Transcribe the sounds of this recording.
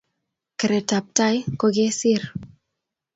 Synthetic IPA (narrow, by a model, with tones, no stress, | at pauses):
ke˨ɾe˨ta˨p̚ta˦jko˦ɡe˦si˦ɾ